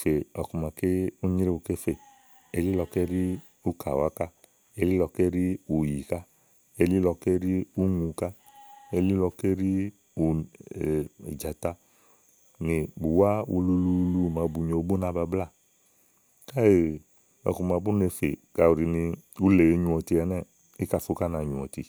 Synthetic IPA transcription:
fe˨ɔ˨ku˨ma˧ke˦u˦ɲi˦ɾe˦u˧ke˦fe˧˨ | e˧li˦lɔ˧ke˦ɾi˦ | u˦ka˨wa˦ka˦ | e˧li˦lɔ˧ke˦ɾi˦u˨ji˨ka˦ | e˧li˦lɔ˧ke˦ɾi˦u˦ŋu˧ka˦ | e˧li˦lɔ˧ke˦ɾi˦ | u˨ | e˨d͡ʒa˨ta˧ | ni˨bu˨wa˦u˧lu˧˦lu˧lu˧˦˨ma˧bu˧˨ɲo˧bo˦na˧ba˧bla˦˨ | ka˦e˨ | ɔ̰˧ku˧ma˧bu˦ne˧fe˨ka˧u˨ɾi˨˧ni˧u˦le˨˧ɲu˧ɔ˨ti˧ɛ˧˦nɛ˦˨ | i˦ka˧˨fo˧˦ka˦na˧˨ɲũ˨ɔ̰˨ti˧˨

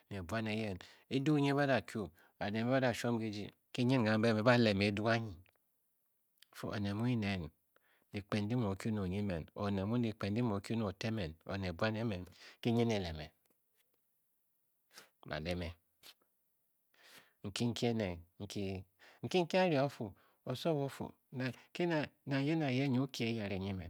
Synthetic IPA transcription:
n˨e˨bwa˦ne˨˦je˦n | e˦du˦ɲe˦ba˦da˨kʰju˦ | a˨de˨me˦a˦da˨ʃo˦m˦ɡe˦d͡ʒḭ˦ | ke˦ɲe˦n˨ɡa˨m˦be˦me˨˦ba˦˨le˨me˨˦du˦a˦ɲi˨ | fo̰˦ʔo̰˨ne˨mu˦i˦ne˨n | di˨k͡pe˨n˦di˦mo˨ku˦no˨ɲi˦me˨no̰˨ne˨mu˦di˨k͡pe˨n˦i˦mo˨ku˦no˨te˦me˨no̰˨ne˨bwa˦ne˦me˨nki˦ɲe˦ne˨le˨mḛ˨ | mʔa̰˨le˨me˨ | ŋ̩˨ki˦ŋ̩˦ki˦e˦ne˨ŋ̩˨ki˦ŋ̩˨ki˦ŋ̩˦ki˦a˦ɾi˨o˦fu˨ | o˨so˦βo˦fṵ˨ | na˨ke˦na˨na˨je˦na˨je˦ɲ˦ki˦e˦ja˨ɾe˨ɲi˦mḛ˨

